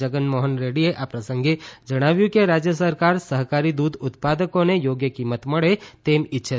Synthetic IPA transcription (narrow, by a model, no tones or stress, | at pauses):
əɡənmoːɦənɾeɽieʔapɾəsə̃ŋɡed͡ʒəɽ̃aːʋjũkeɾaːd͡ʒjəsəɾkaːɾsəɦkaːɾid̪ud̪ʊt̪paːd̪əkõnejoːɡjəkimːət̪məɽet̪eːmɪtːʃʰə